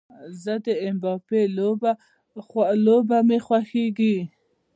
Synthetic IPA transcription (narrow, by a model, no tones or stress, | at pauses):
zəd̪əɪmbɑpela | lobamexwaxeɡi